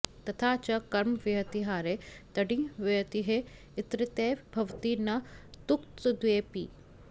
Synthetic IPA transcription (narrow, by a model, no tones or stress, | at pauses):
t̪ɐt̪ʰaːt͡ʃɐkɐɾmʋɐɐt̪iɦaːɾet̪ɐɖĩʋɐt̪iɦe | ɪt̪ɾɪt̪eːbʱɐʋt̪inɐt̪ʊkt̪d̪ʊeːpḭː